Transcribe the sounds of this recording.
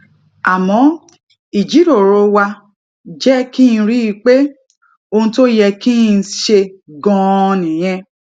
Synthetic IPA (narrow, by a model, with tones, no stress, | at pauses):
a˨mɔ̃˨˦ | i˨d͡ʒi˨˦ɾo˨ɾo˧wa˧ | d͡ʒɛ˦kĩ˦˧ɾi˦i˧k͡pe˦ | o˧ũ˧to˦jɛ˧ki˦˧˦ʃe˧ɡɔ̃˧nĩ˨j̃ɛ̃˧